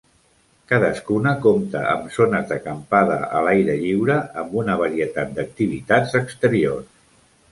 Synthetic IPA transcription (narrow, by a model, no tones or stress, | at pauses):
kaðəskunəkomt̪ə̰ə̰mzonəzðəkəmpaðə̰ʔə̰lajɾəʎiwɾəəmbunəβaɾiət̪at̪̚d̪ək̚t̪iβ̞it̪ad͡zəkst̪əɾiors